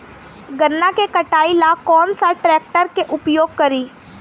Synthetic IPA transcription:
ɡənːakekəʈaːilaːkɔːnsaʈɾɛːk̚ʈəɾkeʔʊpjoːɡ̚kəɾiː

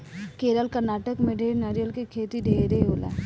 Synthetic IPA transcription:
keːɾəlkəɾnaːʈəkmẽɖʱeːɾnaɾijəlkekʰeːt̪iɖʱeːɾeɦoːla̰ː

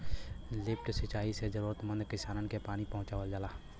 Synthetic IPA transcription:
lɪp̚ʈsɪt͡ʃaːisezəɾuːɾət̪mə̃nd̪kɪsaːnənkepaːnipəɦʊ̃t͡ʃaːʋəld͡ʒaːlaː

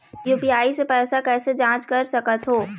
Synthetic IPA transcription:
juːpiaːisepɛːsakɛːsed͡ʒãːt͡ʃkɐɾsɐkət̪ɦoː

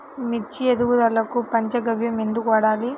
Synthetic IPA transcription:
mit͡ʃːied̪uʋud̪ɐlːɐkupɐɲt͡ʃɐɡɐʋjɐmend̪ukɔːɽaːli

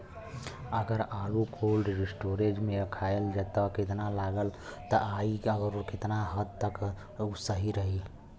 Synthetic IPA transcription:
əɡəɾalukʰolɖɾisʈoɾed͡ʒmeɾəkʰaeld͡ʒet̪əket̪nalaɡəlt̪əʔaiəɡəɾoket̪naɦət̪ːək | usəɦiɾəɦi

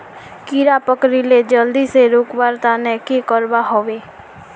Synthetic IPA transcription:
kiɾapəkɾiled͡ʒəld̪iseɾʊkbaɾt̪anɛkekəɾbaɦoʋeː

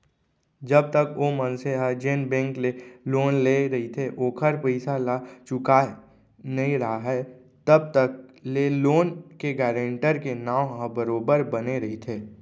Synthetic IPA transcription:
d͡ʒəb̚t̪əkoːmənseɦəd͡ʒeːnbɛ̃ːŋkleloːnleɾɐɦit̪ʰeʔoːkʰəɾpəɪsalat͡ʃʊka | nɐɦĩɾɐɦaɦɛ | t̪əb̚t̪ək̚leːloːnkeɡɛːɾẽɳʈəɾkenaːwɦəbəɾoːbəɾbəneɾɐɦit̪ʰeː

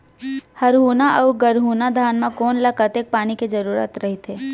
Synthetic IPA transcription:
hɐɾɦuːnaʔɐʊɡəɾɦuːnad̪ʱaːnmãkoːnlɐkɐt̪eːk̚paːniked͡ʒɐɾuːɾə̰t̪ɾɐɦit̪eː

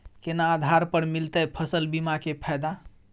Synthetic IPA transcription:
kenaːd̪ʱaɾpəɾmilt̪əpʰəsəlbimakepʰɛjd̪a

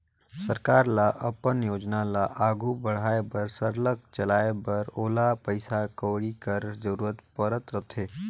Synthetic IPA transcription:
səɾkaːɾlaʔɐpənjoːd͡ʒnalaʔaːɡʱubəɽ̤aːebəɾsəɾləkt͡ʃɐlaːebɐɾoːlapəɪsakəːɽikəɾzəɾuːɾət̪pəɾət̪ɾət̪ʰeː

